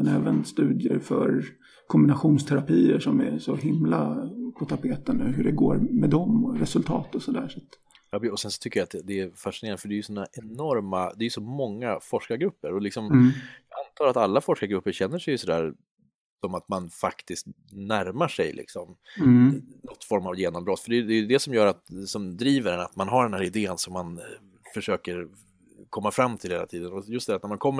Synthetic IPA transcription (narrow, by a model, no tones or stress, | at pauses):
ɛnɛːvənst̪ʉ̟ːd̪jə̰ɾfœ̰ɾ | kʰɔmbɪnaɧuːnst̪ʰɛɾapiːəʂɔmæ̰sɔɦɪmlapʰɔt̪ʰapʰeːt̪ənʉ̟ːɦɵɖɛɡo̰ːɾmɛd̪ɔmɾɛsɵlt̪ʰɑ̰ːt̪ɔsɔd̪æ̰ːʂat̪ | jɑbɔsɛnsɔt̪ʰʏkːəjaːt̪̚d̪ɛæɾfaʂɪneːɾanəfœɖɛæɾjɵsɔnːaʔɛnɔɾmad̪ɛjɵsɔmɔŋːafɔʂkaɡɾɵpːəɾɔlɪksɔmant̪ʰɑːɾat̪alːafɔʂkaɡɾɵpːəɾɕɛnːəʂɛjɵsɔd̪æ̰ːɾ | sɔmat̪manfakt̪ɪst̪ | næɾmaʂɛ̰jlɪ̰ksɔm | nɔt̪ːfɔɾmavjeːnɔmbɾɔt̪ːfəɖɛjd̪ɛjɵd̪ɛsɔmjœːɾat̪sɔmd̪ɾiːvəɾɛnat̪manɦaɖɛnhæːɾɪd̪eːənsɔmːan | fœʂøːkəɾ | kʰɔmːafɾamːt̪ʰɪlheːla̰t̪ʰiːd̪ənɔjɵst̪æɾat̪næɾmankʰɔmːə